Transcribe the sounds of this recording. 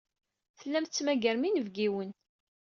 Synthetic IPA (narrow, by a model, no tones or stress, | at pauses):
θəlːæmθt͡sːmæɡəɾminəvɡiwən